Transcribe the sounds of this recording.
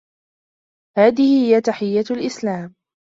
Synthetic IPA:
haːðɪhɪhɪjat̪aħɪjːalʔɪslaːm

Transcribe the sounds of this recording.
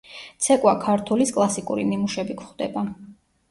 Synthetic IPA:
t̪sʰɛkʼwakʰaɾt̪ʰuliskʼlˠasikʼṵɾḭnimuʃɛbikʰχd̪ɛba

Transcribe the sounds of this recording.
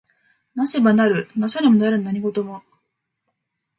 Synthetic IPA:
naɕibanaɾɯ̟nasaɾɯmonaɾɯ̟naɲ̟iɡo̞t̪o̞mo

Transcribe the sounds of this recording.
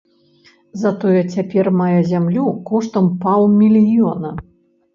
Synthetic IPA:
zɐt̪ɔjɛt͡sʲapʲɛrmajɛzʲamlʲukɔʂt̪ɐmpawmʲilʲijɔnɐ

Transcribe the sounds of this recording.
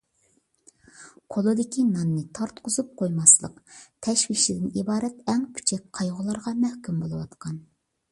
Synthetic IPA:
qʰolˠɨd̪ɪkʲinɑnːɨt̪ʰɑɾt̪qʊzup̚qʰojmɑslˠə̰qt̪ʰɛʃwikʃlɪd̪ɪnibɑːɾɛt̪ɛŋpʰy̥t͡ʃʰɛk̚ʲqʰɑjʁʊlˠɑɾʁɑmɛhkʲymbolˠɨwɑt̪qɑn

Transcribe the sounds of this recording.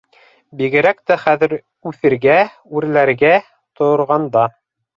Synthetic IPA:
biɡɘ̆ɾæk̚t̪æχæðɘ̆ɾ | ʉθɘ̆ɾɡæ | ʉɾlæɾɡæ | t̪ŏɾʁɑnd̪ɑ

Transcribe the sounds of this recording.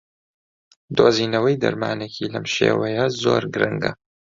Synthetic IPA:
d̪oːziːnɐwɐjd̪ɐ̰ɾmaːnekʰiːlɐmʃḛːwɐjɐzo̰ːɾɡɾɨŋɡɐ̰

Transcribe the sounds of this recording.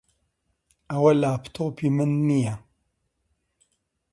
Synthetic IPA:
awalaptʰopimɨnːija

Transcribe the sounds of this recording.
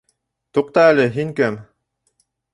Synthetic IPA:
t̪uq̚t̪ɑælɘɦiŋkæm

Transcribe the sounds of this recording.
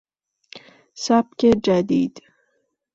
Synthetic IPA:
sabked͡ʒæd̪iːd̪̥

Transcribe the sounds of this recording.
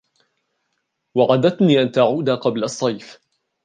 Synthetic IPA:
waʕad̪at̪niːʔant̪aʕuːd̪aqɑblasˤːɑjf

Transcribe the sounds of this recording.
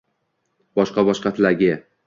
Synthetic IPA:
bɒʃqɑbɒʃqɑt̪ʰlaɡʲɪ

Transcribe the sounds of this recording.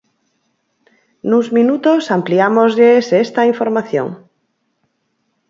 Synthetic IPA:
nuzmĩnut̪osampliamozʎesest̪aiɱfoɾmaθjo̰ŋ

